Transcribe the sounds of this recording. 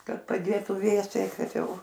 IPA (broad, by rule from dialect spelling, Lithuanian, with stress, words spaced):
ˈkɐt pɐˈdʲeːtʊ ˈʋʲeːsʲɛɪ ˈkɐt ˈjɛʊ